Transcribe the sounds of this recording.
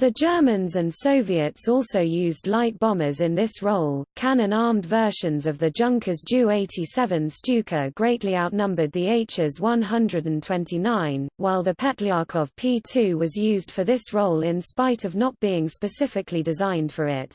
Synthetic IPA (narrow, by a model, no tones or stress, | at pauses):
ðəd͡ʒɜːmə̃nzə̃nssəʊviətsɔˑlˠsəʊjʉːzdˡlaɪt̚b̥ɒməzɪ̃nðɪsɹoʊlˠkʰanə̃nɑːmdvɜˑʃə̃nzəvðəd͡ʒʌ̃ŋkʰəzd͡ʒʉːeɪtʰisɛvə̃nst͡ʃʉˑkʰəɡ̥ɹeɪʔliaʊʔnʌ̃mbəd̪̚ðieɪt͡ʃɪzwʌ̃nɦʌ̃ndɹədə̃ntʰw̥ɛ̃ntʰinãɪ̃nwaɪlˠðəpʰɛtɹiɑˑkʰəv̥pʰiːtʰʉːwɒzjʉːzd̥fəðɪsɹoʊlɪ̃nspaɪɾəvnət̚b̥iːɪ̃ŋspəsɪfɪkʰlidɪzãɪ̃nd̥fəɹɪt